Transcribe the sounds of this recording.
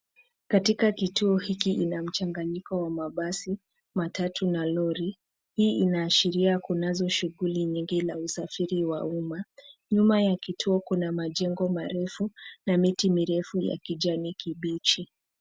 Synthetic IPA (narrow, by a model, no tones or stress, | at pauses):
katikakituɔhikiʔinam̩t͡ʃaŋɡaɲikɔwamaɓasi | matatunalɔɾi | hiːinaːʃiɾiakunazɔʃuɣuliɲiŋɡilausafiɾiwa̰umaɲumajakitʰuɔkunamaʄɛŋɡɔmaɾɛfunamitimiɾɛfuja̰kiʄanikʰiɓit͡ʃi